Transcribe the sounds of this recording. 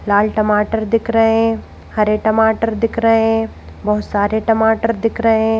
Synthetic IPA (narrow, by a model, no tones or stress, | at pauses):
laːlʈɐmaːʈəɾd̪ɪkʰɾəɦẽ | hɐɾeʈɐmaːʈəɾd̪ɪkʰɾəɦɦẽ | bɐɦʊt̪saːɾeʈɐmaːʈəɾd̪ɪkʰɾəɦẽ